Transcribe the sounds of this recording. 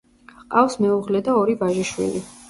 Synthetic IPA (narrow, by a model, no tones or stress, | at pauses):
qʼafsmɛuʁlɛd̪aɔɾivaʒiʃwḭli